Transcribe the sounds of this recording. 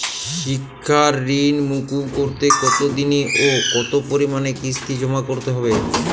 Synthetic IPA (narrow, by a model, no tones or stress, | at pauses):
ʃʃikʰːaɾːinmukukoɾt̪ekɔt̪od̪iniʔokɔt̪opoɾimanekɾist̪ʰid͡ʑɔmakoɾt̪eɦɔbe